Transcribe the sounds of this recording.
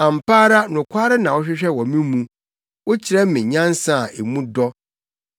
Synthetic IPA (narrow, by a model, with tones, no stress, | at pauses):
ã˨m̩˨paː˦ɾa˦nʊ̃˨kʷʰa˦ɾɪ˦nã˨wɔ˦ɕᶣɪ˦ɕᶣɛ˦˨wɔ˨mĩ˦mũ˨ | wʊ˦t͡ɕʰɪ˨ɾɛ˦mɪ̃˨ɲã˦n˦sã˦˨e˨mũ˦dɔ˦